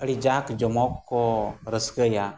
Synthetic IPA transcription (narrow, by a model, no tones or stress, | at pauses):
əɽid͡ʒakd͡ʒɔmɔkːɔɾəsɡəja